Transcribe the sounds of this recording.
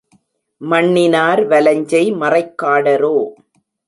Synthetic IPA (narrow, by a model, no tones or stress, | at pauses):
mɐɳːɪnaːɾʋɐlɐɲd͡ʒɐɪmɐrɐɪkːaːɽɐɾoː